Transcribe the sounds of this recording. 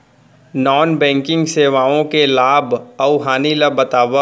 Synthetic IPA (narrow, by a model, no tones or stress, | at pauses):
nɔːnbɛ̃ːŋkɪ̃ŋɡseːʋaːõkelaːbɐʊɦaːnilɐbɐt̪aːʋə